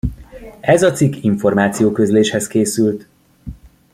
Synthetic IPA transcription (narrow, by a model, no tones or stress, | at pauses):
ɛzɒt̪sikːiɱfo̞rmaːt̪sijoːkøzleːʃhɛskeːsylt̪